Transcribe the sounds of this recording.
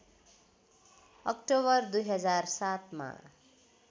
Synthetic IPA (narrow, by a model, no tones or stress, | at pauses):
ʌkʈoβʌrd̪ujɦʌd͡zarsat̪ma̰